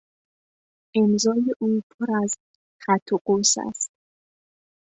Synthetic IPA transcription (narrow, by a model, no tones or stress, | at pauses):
ʔemzɒːjeʔuːpʰoɾæz | xæt̪ʰːoqosæ̰st̪̚